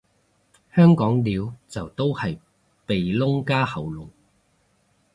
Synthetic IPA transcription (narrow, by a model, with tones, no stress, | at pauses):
hœː˥ŋkɔː˨˥ŋliː˨˧wt͡sɐ˨wt̪o˥whɐ˨j | pe˨jlʊ˥ŋkaː˥hɐ˨˩wlʊ˨˩ŋ